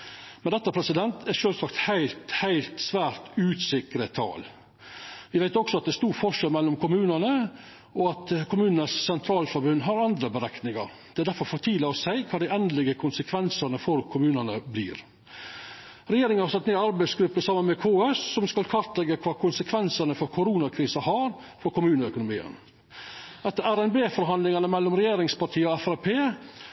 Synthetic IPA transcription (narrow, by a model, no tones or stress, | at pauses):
mɛnd̪ɛt̪ːəpʰɾɛsɪd̪ɛnt̪ʰæʂøːlsɑkt̪hæɪlt̪hæɪlt̪sʋæːɾt̪ʉːsɪkɾət̪ʰɑ̰ːl | ʋɪʋæɪt̪ɔksɔɑt̪̚d̪ɛst̪uːɾfɔʂɛlmɛlːɔmkʰʊmʉːnənə | ɔɑt̪kʰʊmʉːnənəssɛnt̪ʰɾɑːlfɔɾbʉnːɦɑɾɑnd̪ɾəbəɾɛknɪŋɑ̰ɾ | d̪̥ɛædæɾfɔɾfɔʈ̪ʰiːdləɔsæɪkʰɑːd̪æɪɛnd̪lɪɡəkʰʊnsəkʰʋɛnsənəfɔɾkʰʊmʉːnənəblḭːɾ | ɾɛjeːɾɪŋənhɑɾsɑt̪ːmeːɑɾbæɪsɡɾʉpːəsɑːmːənmɛkʰoːɛssɔmskɑlkʰʋɑɾt̪lɛɡːəkʰʋɑːkʰʊnsəkʰʋɛnsənəfɔɾkʰʊɾuːnɑkʰɾiːsəhɑɾ | fɔɾkʰʊmʉːnəœkʊnʊmḭːə̰n | ɛt̪ːəæɾɛnbeːfɔɾɦɑnd̪lɪŋɑnəmɛlːɔmɾɛjeːɾɪŋspɑʈʰiːəɔɛfæɾpʰeː